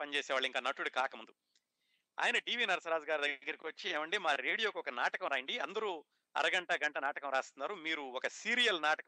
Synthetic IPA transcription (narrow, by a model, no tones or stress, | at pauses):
pɐnt͡ʃeːsɛːʋaːɭːuiŋkaːnɐʈːuɽukaːkɐmund̪u | a̰ːjɐnɐʈiːʋiːnɐɾɐsɐɾaːd͡ʒɐɡaːɾud̪ɐɡɡːɐɾɐkiʋɐt͡ʃːieːmɐɳɖimaːɾeːɽijo̞ːkuɔkɐnaːʈɐkɐmɾaːjɐɳɖiɐ̰nd̪ɐɾu | ɐ̰ɾɐɡɐɳʈɐɡɐɳʈɐnaːʈɐkɐmɾaːst̪unːaːɾumiːɾuɔkɐsiːɾijɐlnaːʈɐk